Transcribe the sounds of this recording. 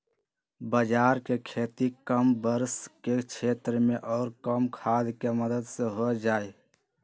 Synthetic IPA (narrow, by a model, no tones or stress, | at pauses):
bəd͡ʒaːɾkekʰeːt̪ikəmbəɾsket͡ʃʰeːt̪ɾəmẽʔɔːɾkəmkʰaːd̪keməd̪əd̪seɦod͡ʒaːe